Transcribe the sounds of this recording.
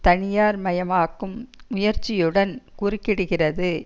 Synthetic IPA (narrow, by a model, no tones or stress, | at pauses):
t̪ɐɳɪjaːɾmɐjɐmaːkːɯmʊjɐɾt͡ʃːɪjɯɽɐnkuːrɪkːɪɽɯɣɪrɐðɯ